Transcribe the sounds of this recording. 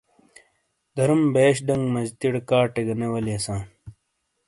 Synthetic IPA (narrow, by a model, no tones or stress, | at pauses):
d̪ɐɾumbeːɕ̬ɖɐŋɡmɐzt̪iɽkaːʈeɡɐnewɐliɐsãː